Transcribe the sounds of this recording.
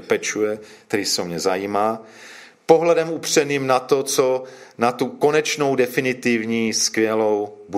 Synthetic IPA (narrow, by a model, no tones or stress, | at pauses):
pɛt͡ʃujɛt̪ɛɾisɛomɲɛzajiːmaː | poɦlɛdɛmupr̝̥ɛniːmnat̪ot͡sonat̪ukonɛt͡ʃno̞wdɛfɪnɪt̪ɪvɲiːskvjɛlo̞wbu